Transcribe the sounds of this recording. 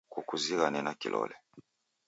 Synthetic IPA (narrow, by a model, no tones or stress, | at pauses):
kukuziɣanɛnakḭlʔɔ̰lɛ